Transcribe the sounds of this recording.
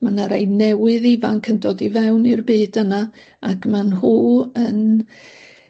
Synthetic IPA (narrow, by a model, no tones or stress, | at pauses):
manaɾejnɛwɨðivankʰəndɔdivɛwnɪrbeːdəna | akʰmanhuːən